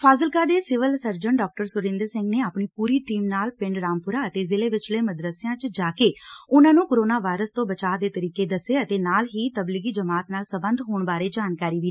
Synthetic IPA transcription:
pʰaːzəlkaːd̪eːsɪʋəlsəɾd͡ʒəɳɖɔːk̚ʈəɾsʊɾɪ̃nd̪əɾsɪ̃ŋɡneːaːpɳiːpuːɾiːʈiːmnaːlpɪ̃ɳɖɾaːmpʊɾaːət̪eːzɪleːʋɪt͡ʃləːməd̪ɾəsɪjãːt͡ʃd͡ʒaːkeːʊnãːnũːkoɾoːnaːʋaːɪɾəst̪õːbət͡ʃaːd̪eːt̪əɾiːkeːd̪əseːət̪eːnaːlɦiːt̪əblɪɡiːd͡ʒəmaːt̪naːlsəbə̃nd̪ɦoːɳbaːɾeːd͡ʒaːnkaːɾiːʋi

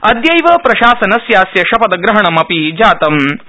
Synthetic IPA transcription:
ɐd̪jɐjʋɐpɾɐʃaːsɐnɐsjaːsjɐʃɐpɐd̪ɐɡɾɐɦɐɳɐmɐpid͡ʒaːt̪ɐm

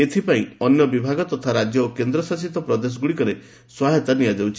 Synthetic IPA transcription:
et̪ʰipaĩɔnjɔbibʱaɡɔt̪ɔt̪ʰaɾad͡ʒjɔokend̪ɾɔsas̬it̪ɔpɾɔd̪es̬ɔɡuɽikɔɾe | swaɦet̪aniad͡ʒawt͡ʃʰi

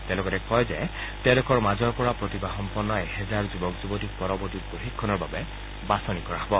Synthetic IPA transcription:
t̪ɛlokɔɾɛkʰɔjze | telokɔɹmad͡ʒɔɹpɔɹapɹɔt̪ibaxɔmpɔnːɔeɦɛzaɹd͡ʒubɔkzubɔt̪ik̚pɔɾɔbɔɹt̪ikoɦikʰːɔnɔɹbabe | basɔnikɔɹaɦɔbɔ

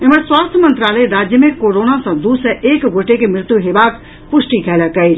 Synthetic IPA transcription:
ɪməɾswaːst̪ʰəmə̃nt̪ɾaːləeɾaːd͡ʒjəmẽkoːɾoːnasãd̪uːseʔeːkɡʱoːʈekemɾɪt̪juɦeːʋaːk | pʊʃʈikʰɛːlakɐeː

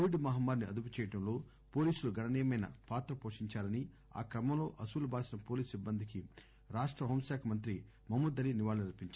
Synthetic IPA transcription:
oʋiɖmɐɦɐmːaːɾniɐ̰d̪up̬ut͡ʃɛːjɐʈɐmlo̞ː | poːliːsuluɡɐnɐnejɐmɐjnɐ̰paːt̪ɾɐpo̞ːʂiɲt͡ʃaːlɐni | a̰ːkɾɐmɐmlo̞ːʔɐsuːlubʱaːsinɐpo̞ːliːsibːɐnd̪iki | ɾaːʂʈɾɐɦɐːmsaːkʰɐmɐnt̪ɾi | mɐmud̪ɐliniʋaːlɐnilɐpiɲt͡ʃa

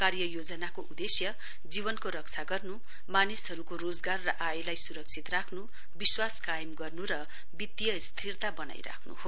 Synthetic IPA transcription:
karjʌjod͡zʌnakoʔud̪esjʌ | d͡zibʌnkoɾʌk̚t͡sʰaɡʌrnu | manisɦʌɾukoɾod͡zɡarːʌʔajlajsuɾʌk̚t͡sʰit̪rakʰnu | biswaskajʌmɡʌrnuɾʌ | bit̪ːjʌst̪ʰirt̪abʌna̰jɾa̰kʰnṵho

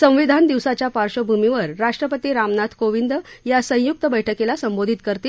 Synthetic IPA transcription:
sə̃ʋid̪ʱand̪iʋsat͡ɕjapaɾɕobʱumiʋəɾːaʂʈɾəpət̪iːɾamnat̪ʰkoʋind̪jasə̃juk̚t̪əbəjʈʰəkelasəmbod̪ʱit̪kəɾt̪iː

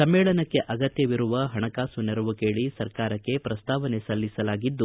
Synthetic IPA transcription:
sɐmːɛːɭɐnɐkːe̞ʔɐɡɐt̪jɐʋiɾuʋɐɦɐɳɐkaːsunɛɾuʋukeːɭisɐɾkaːɾɐkːe̞pɾɐst̪aːʋɐnesɐlːisɐlaːɡid̪ːu

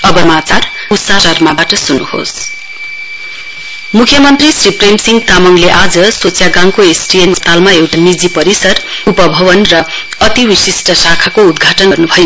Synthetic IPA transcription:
ʌbʌmat͡sar | ut̪sarʌrmabaʈʌsunṵho̰s | mukʰjʌmʌnt̪risripremsiŋɡt̪amʌŋleʔad͡zʌsot͡sʰjaɡãŋkoesʈiemst̪almaewʈ̪anid͡zipʌɾisʌr | upʌbʱʌwʌnrʌ | ʌt̪iwisisʈʌsakʰakoud̪ɡʱaʈʌnrnubʱʌjo

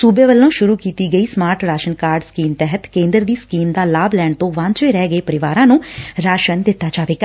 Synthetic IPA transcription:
suːbeːʋəlːõːʃʊɾuːkiːt̪iːɡəiːsmaːɾʈɾaːʃənkaːɾɖskiːmt̪ɛɦət̪kẽːnd̪əɾd̪iːskiːmd̪aːlaːblɛːɳt̪õːʋãːɲt͡ʃeːɾɛːɡəeːpəɾɪʋaːɾãːnũːɾaːʃənd̪ɪt̪ːaːt͡ʃaːʋeːka

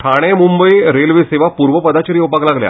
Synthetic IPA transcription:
ʈʰaɽ̃emumbəiɾelʋeseʋapuɾʋəpəd̪at͡ɕəɾiowpaklaɡlja̰

